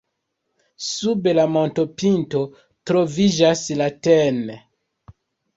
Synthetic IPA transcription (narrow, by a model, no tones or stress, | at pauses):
subelamonto̞pinto̞ | tɾo̞vid͡ʒaslaten